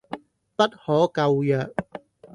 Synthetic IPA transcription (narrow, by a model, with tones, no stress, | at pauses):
pɐ˥t̚hɔː˨˥kɐ˧wjœː˨k̚